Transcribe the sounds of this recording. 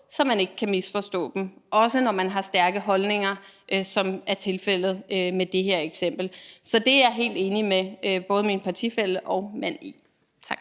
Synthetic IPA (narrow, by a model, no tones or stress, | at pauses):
sɒ̽mːæne̝ɡ̥əkʰæmisfɒ̽sd̥ɔ̰̽ːd̥m̩ʔɒ̽sənɒmænɦɑ̈sd̥æɐɡ̥əɦɒ̽lne̝ŋɐʔsɒ̽mʔæɐt͡sʰe̝lfel̰ð̞̩ˠømed̥e̝ɦeɐ̰eɡ̥sem̰b̥l̩sɒ̽d̥e̝ɑɦe̝̰ːld̥e̝ːnimeøb̥ɔ̽ːð̞ˠəminpʰɑ̈t͡sʰḭfel̰d̥ɒ̽ʊmæn̰i | t͡sʰɑɡ̥